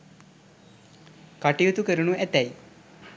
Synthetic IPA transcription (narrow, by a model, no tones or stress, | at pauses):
kaʈijut̪ukəɾunuʔet̪ɛj